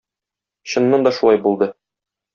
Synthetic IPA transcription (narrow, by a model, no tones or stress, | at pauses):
ɕɤ̆nːɤnd̪ɒʃulˠɑjbulˠd̪ɤ